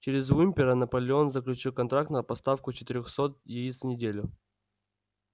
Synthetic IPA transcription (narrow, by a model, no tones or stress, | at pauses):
t͡ɕeɾʲɪzvumʲpʲɪɾənəpəlʲɪo̞nzəklʲʉt͡ɕilˠkɐnt̪ɾak̚t̪nəpɐst̪afkʊt͡ɕɪt̪ɪɾʲoxsot̪̚jejisnʲɪdʲelʲʊ